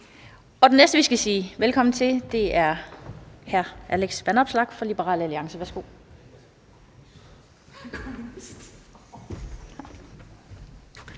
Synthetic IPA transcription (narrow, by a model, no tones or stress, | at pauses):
ɒ̽d̥e̝nesd̥əʋisɡ̥æsiːʋelkʰɒ̽mn̩t͡sʰe̝ld̥e̝æɐ | hæɐʔæleɡ̥sʋænɒ̽b̥slɑ̈ɡ̥fɒ̽lib̥əʁɑ̰̈ːləæliɑ̈ŋsəʋæɐsɡ̥o̝̰ː